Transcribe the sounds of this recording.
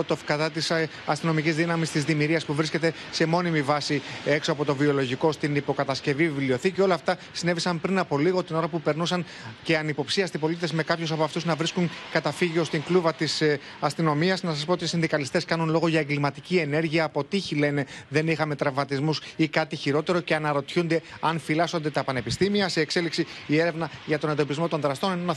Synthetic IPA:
ot̪ofkɐðɐt̪is | ɐst̪ino̞micizðinɐmist̪izðimiɾiɐspuvɾisce̞t̪e̞ | se̞mo̞nimivɐsie̞ksoɐpo̞t̪o̞vio̞lo̞ʝiko̞st̪inipo̞kɐt̪ɐsce̞vivilio̞θiceo̞lɐːft̪ɐsine̞visɐmpɾinɐpo̞liɣo̞t̪ino̞ɾɐpupe̞ɾnusɐŋ | ce̞ɐnipo̞psiɐst̪ipo̞lit̪ezme̞kɐpçosɐpoɐft̪uznɐvɾiskuŋkɐt̪ɐfiʝio̞st̪iŋkluvɐt̪is | ɐst̪ino̞miɐznɐsɐs̬po̞t̪isind̪ikɐlist̪e̞skɐnunlo̞ɣo̞ʝɐeŋɡlimɐt̪icie̞ne̞ɾʝiɐːpo̞t̪içile̞neðe̞nixɐme̞t̪ɾɐvmɐt̪izmusikɐt̪içiɾo̞t̪e̞ɾo̞ce̞ɐnɐɾo̞t̪çund̪e̞ɐnfilɐso̞nd̪e̞t̪ɐpɐne̞pist̪imiɐsiekse̞liksiie̞ɾe̞vnɐʝɐt̪o̞ne̞nd̪o̞pizmo̞t̪o̞nðɾɐst̪o̞ninonɐ

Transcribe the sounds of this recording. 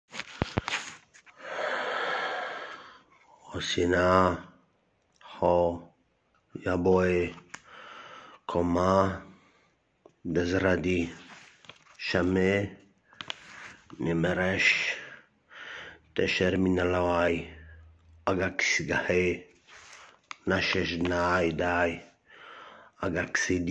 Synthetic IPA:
osina | ħɔ | jaboe | kʰoma | d̪ɛzɾad̪i | ʃame | nimeɾeʃ | t̪eʃɛɾminalawaj | aɡaksiɡaħe | naʃɛʃdnajd̪aj | aɡaksid̪

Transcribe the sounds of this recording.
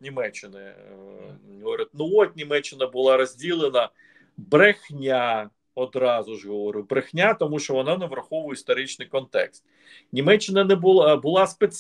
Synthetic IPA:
nʲimɛt͡ʃːɪnɪ | ɦɔʋɔɾʲɪt̪̚ʲnuɔt̪ʲnʲimɛt͡ʃːɪnɐbʊlˠɑɾɔzʲdʲilˠenɐ | bɾexnʲa | ɔd̪ɾɑzʊʒɦɔʋɔɾɪwbɾexnʲat̪ɔmuʃt͡ʃɔʋɔnɑnɛʋɾɐxɔʋʊjist̪ɔɾɪt͡ʃnɪjkɔnt̪ɛ̰kst̪ | nʲimɛt͡ʃːɪnɐnɛbʊlˠbʊlˠɑspes

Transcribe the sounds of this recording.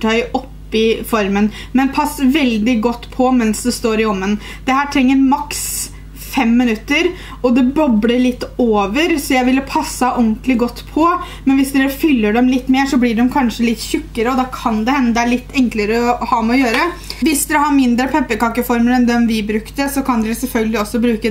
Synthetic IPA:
ʈʰɑʏʔɔpːɪfɔɾmən | mɛnpʰɑsːʋɛld̪ɪɡɔt̪ːpʰɔmɛnsd̪ɛst̪oːɾɪɔmːən | d̪̥ɛhæːʈʰɾɛŋːəɾmɑks | fɛmːɪnʉt̪ːəɾ | ɔd̪ɛbɔbɽəɭɪt̪ːoːʋəɾsɔjæɪʋɪlːəpʰɑsːəʔɔɡnnt̪lɪɡɔt̪ːpʰɔ | mɛnʋɪsd̪ɛɾəfʏlːəɖɛmlɪt̪ːmeːʂɔblɪɖɛmkʰɑnʂəlɪt̪ːçʏkːəɾəɔd̪ɑkʰɑnd̪ɛhɛnːəd̪ɛæɭɪt̪ːɛŋkləɾəɔhɑːmɛɔjøːɾəʋɪsd̪ɛɾhɑɾmɪnd̪ɾəpʰɛpːəkɑkəfɔɾməɾɛnd̪ɛnʋɪbɾʉkt̪əsɔkʰɑnd̪ɛɾəsɛlfœlɡəlɪɔsːɔbɾʉːkə

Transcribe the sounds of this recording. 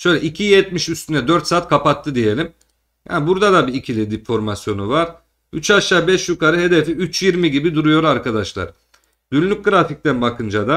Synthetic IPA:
ʃø̞jlʲɛʔicʰijɛt̪miʃyst̪ynɛd̪øɾt̪saːt̪̚kʰapat̪ʰːɯd̪ije̞lʲim | ja̰ːnbuɾd̪ad̪abiːcʰilʲid̪ifo̞ɾmasjo̞nuvaɾ̥ | yt͡ʃaʃaːbɛʃjykaɾɯɦe̞d̪efiyt͡ʃjiɾmiɟibid̪uɾujo̞ɾaɾkʰad̪aʃlˠa̰ɾ̥ | d̪ynlʲyc̚ɡɯɾafic̚t̪ænbakʰɯnd͡ʒad̪a

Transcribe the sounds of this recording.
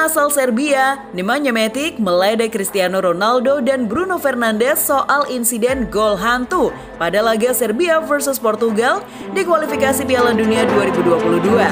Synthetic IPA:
asalsɛrbia | nimaɲamɛt̪ɪk̚məlajdakɾist̪ianoɾonaldodanbɾunofɛrnandɛsːoʔalinsidɛnɡolɦant̪u | padalaɡasɛrbiafərsuspɔrt̪uɡal | dikwalifikasipialanduniaduaɾibuduapuludua

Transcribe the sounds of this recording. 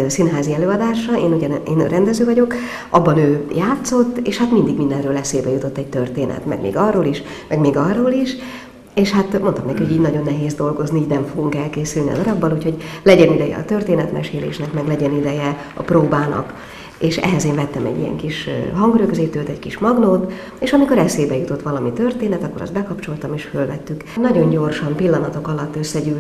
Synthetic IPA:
sinɦaːziɛløːɒd̪aːʃɒeːnuɟɛneːn̰rɛnd̪ɛzøːvɒɟo̞k | ʔɒbːɒnøːjaːt̪so̞t̪ːeːʃhat̪mind̪iɡmind̪ɛnrøːlɛseːbɛjut̪o̞t̪ːɛɟ̚t̪ørt̪eːnʔɛ̰t̪mɛ̰ɡmḛːɡɒrːoːliʃ | mɛɡmeːɡɒrːoːliʃ | eːʃhat̪mo̞nt̪ɒmnɛkihoɟiːɟnɒɟo̞nːɛɦeːzd̪o̞lɡo̞zniiːɟnɛmɱfoɡuŋkɛlkeːsylniɒ̰d̪ɒɾɒbːɒluːcho̞ɟlɛɟɛnid̪ɛjɛ̰ɒ̰t̪ørt̪eːnɛt̪mɛ̰ʃeːlḛːʃnɛkmɛɡlɛɟɛnid̪ɛjɛ | ɒ̰proːbaːnʔɒ̰k | eːʃɛ̰ɦɛzeːɱvɛt̪ːɛmɛ̰ɟːḭjɛ̰ŋkiʃɦɒŋɡɾøɡzeːt̪øːt̪ɛckiʃmɒɡnoːt̪ | eːʃɒmiko̞ɾɛseːbɛjut̪o̞t̪ːʋɒlɒmit̪ørt̪eːnɛt̪ɒkːoɾɒ̰st̪bɛkɒpt͡ʃo̞lt̪ɒmeːʃfølvɛt̪ːyknɒɟo̞ɲɟo̞rʃɒmpilːɒnɒt̪o̞kɒlɒt̪ːø̞sːɛɟyːl

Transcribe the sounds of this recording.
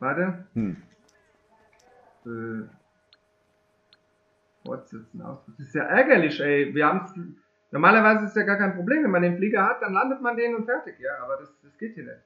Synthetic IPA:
v̥aːtə | ʔøː | fɔ̰ɐtz̥ɪt͡sn̩ʔa̰ʊsd̥ʁ̥ʊk̚ɪstja̰ːʔɛɐɡɐlɪçʔɛɪviːɐhaːbms | nɔʁmaːlɐvaɪzəɪssjaːɡaːɐkʰaɪnpʁ̥obleːmvɛnmandeːnfliːɡɐhat̚d̥anlandətmandeːnənʊntfɛɐtɪkjaːʔaːbɐdasd̥asɡ̥eːt̚hiːɐnɛ̰t

